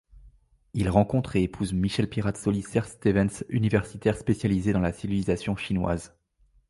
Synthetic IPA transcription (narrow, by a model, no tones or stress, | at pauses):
ilʁɑ̃kɔ̃t̪χeːpʰuzmiʃɛlpiʁat̪sɔlisɛʁst̪evɛnsynivɛʁsit̪ɛʁspesjalized̪ɑ̃lasivilizasjɔ̃ʃinwa̰z